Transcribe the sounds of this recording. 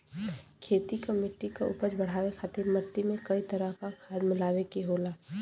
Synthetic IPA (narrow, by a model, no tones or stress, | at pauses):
kʰeːt̪ikamɪʈːikaʊ̰pəd͡ʒbɐɽ̤aːʋekʰaːt̪eməʈːimẽkɐit̪əɾəɦkakʰaːd̪mɪlaːʋekiɦoːlaː